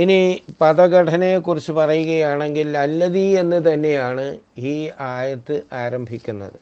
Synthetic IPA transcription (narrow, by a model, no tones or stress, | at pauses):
inipɐðɐɣɐʈʰɐnekurit͡ɕːɨpɐrɐjuɣɐjaːɳe̞ŋɡilɐlːɐðie̞nːɨt̪ɐnːe̞jaːɳɨiːaːjɐt̪ːɨʔaːɾɐmbʱikʲːunːɐ̰ðɨ